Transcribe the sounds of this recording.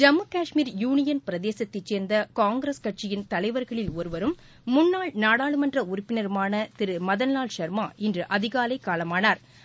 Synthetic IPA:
d͡ʒɐmːɯkaːʂmiːɾjuːnɪjɐnpɪɾɐðeːsɐt̪ːɪt͡ʃːeːɾnd̪ɐkaːŋɡɾeskɐʈ̚t͡ʃɪjɪnt̪ɐlɐɪʋɐɾɣɐɭɪlɔɾɯʋɐɾɯmː | ʊnːaːɭnaːɽaːɭɯmɐndrɐʊɾʊpːɪnɐɾɯmaːnɐt̪ɪɾɯmɐðɐnlːaːlʃɐɾmaːɪndrɯʔɐðɪɣaːlɐɪkːaːlɐmaːnaːɾ

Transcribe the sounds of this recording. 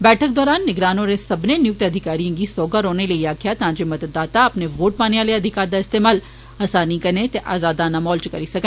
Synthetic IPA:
bɛːʈʰək̚d̪ɔːɾaːnːɪɡɾaːnõɾesɐbnenɪjʊk̚t̪ɐd̪ʱɪkaːɾijãkisɔːɡəɾoːnelɐiaːkʰijat̪ɐɦãːd͡ʒemɐd̪əd̪ːaːt̪aɐpneʋoːʈ̚paːneʋaːleɐd̪ʱɪkaːɾd̪aɪst̪eːmaːl | aːsaːnĩkɐɾnet̪eʔaːzaːd̪anamɔːlt͡ʃkɐɾisɐkẽ

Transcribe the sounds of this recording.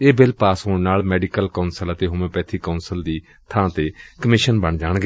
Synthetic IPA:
eːbɪlpaːsɦoːnaːlmɛːɖɪkəlkəːnsələt̪eːɦʊːmẽːpɛːt̪ʰiːkaːnsəld̪iː | t̪ʰãːt̪eːkəmɪʃənbəɳd͡ʒaːɳ̃ɡ

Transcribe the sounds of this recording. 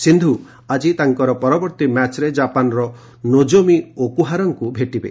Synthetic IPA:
sind̪ʱu | ad͡ʒit̪aŋkɔɾɔpɔɾɔbɔɾt̪imat͡ʃɾed͡ʒapanɔɾɔ | nod͡ʒomiokuɦaɾɔŋkubʱeʈibḛ

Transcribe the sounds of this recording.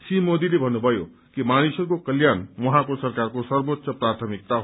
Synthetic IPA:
simod̪ilebʱənubʱʌjo̰ | kimanisəɾkokəljanmɔɦãkosəɾkaɾkosʌɾbot̪ːʃəpɾat̪ʰəmik̚t̪aɦ

